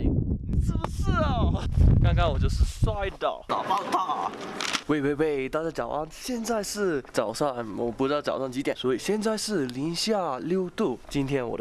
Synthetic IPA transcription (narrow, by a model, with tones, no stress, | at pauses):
ni˨˩ʂ̩˥˩bə˧˩ʂ̩˥˩˨ka˥ŋka˥nwɔ˨˩t͡ɕjo˥˧ʊʂɻ̩˥˧swa˥ɪt̪ɑ̰˨˩ʊt̪ɑ̰˨˩ʊpɑ˥˩ʊt̪a˥˩ | we˥˧ɪwe˥˧ɪpe˥˩ɪt̪a˥˧˩t͡ɕja˥t͡ɕjɑ˨˩ʊʔa˥˧nɕjɛ˥˧nt͡sa˥˧ɪʂɻ̩˥˩t͡sɑ˨˩ʊʂɑ˥˩ŋwɔ˨˩pu˧˥˩ʈ͡ʂɻ̩˥ɑ˥˩ɑ˨˩ʊʂɑ˥˩ŋt͡ɕi˧˥t̪jɛ˨˩nswɔ˧˥i˨˩ɕjɛ˥˧nt͡sa˥˧ɪʂɻ̩˥˩li˧˥nɕja˥˧ljo˥˧ʊt̪u˥˩t͡ɕi˥nt̪ʰjɛ˥nwɔ̰˨˩